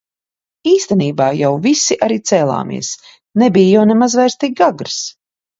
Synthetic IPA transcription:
iːst̪ɛniːbaːjawvisiʔaɾiːt̪sɛːlˠa̰ːmḭɛs | nɛbijjawnɛmazvɛjɾst̪iɡ̚ɡaɡɾs

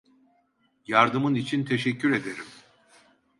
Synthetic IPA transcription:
jaɾd̪ɯmɯnit͡ʃʰint̪ʰe̞ʃɛcʰːyɾe̞d̪e̞ɾim

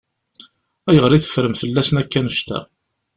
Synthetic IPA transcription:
æjəʁɾˤiθə̥fɾəmfəlːæsnækːænuʃt̪æ̰

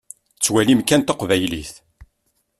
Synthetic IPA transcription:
t͡sːwælimkænt̪ɑqvæjlḭθ

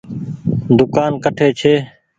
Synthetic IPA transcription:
d̪ʊkaːnkəʈʰeːt͡ʃʰeː

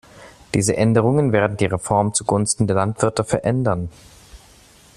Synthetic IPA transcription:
d̥iːzəʔɛndəʁ̞ʊŋənveːɐdn̩diːʁ̞efɔɐmt͡suɡʊnstn̩deːɐlantv̥ɪɐtəfɛɐʔɛndɐn

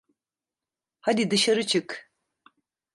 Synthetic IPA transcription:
had̪id̪ɯʃaɾɯt͡ʃʰɯk

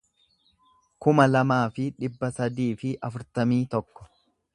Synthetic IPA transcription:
kʊmɐlɐmaːfɪᶑɪbːɐsɐd̪iːfɪʔɐfʊɾt̪ɐmiːt̪ɔkːɔ̥

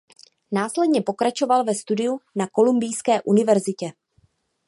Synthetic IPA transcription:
naːslɛdɲɛpo̞kɾat͡ʃo̞valvɛst̪udɪjunako̞lumbɪjskɛːʔunɪvɛɾzɪcɛ

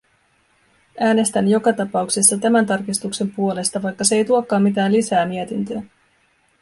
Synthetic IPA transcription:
æːne̞st̪ænjo̞kɑt̪ɑpɑukse̞sːɑt̪æmænt̪ɑrkist̪ukse̞mpuo̞le̞st̪ɑʋɑjkːɑseejt̪uokːɑːmːit̪æːnlisæːmie̞t̪int̪øː

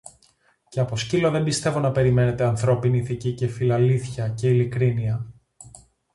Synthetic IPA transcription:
ceɐpo̞scilo̞ðe̞mbist̪e̞vo̞nɐpe̞ɾime̞ne̞t̪eɐnθɾo̞piniθicice̞filɐliθçɐce̞ilikɾiniɐ

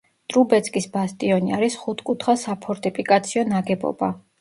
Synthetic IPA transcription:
d̪̥ʼɾubɛt̪sʰʼkʼisbast̪ʼiɔniaɾisχut̪ʰkʼut̪ʰχasapʰɔɾt̪ʼipʰikʼat̪sʰiɔnaɡɛbɔ̰b̥a

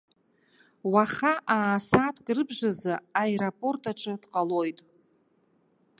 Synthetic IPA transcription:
waχaʔaːsatʰkʼrɨbʒazɨaeɾapʼo̞rtʼʰaʈ͡ʂʷʼɨdqʼalo̞jtʼ

